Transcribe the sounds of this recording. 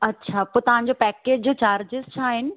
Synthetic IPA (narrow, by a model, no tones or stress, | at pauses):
ɐtːɕʰaːpoːt̪ɐʋ̤ãɲd͡ʑopɛːkeːd͡ʑd͡ʑoːt͡ɕaːɾd͡ʑɪzt͡ɕʰaːɦɪnɪ̆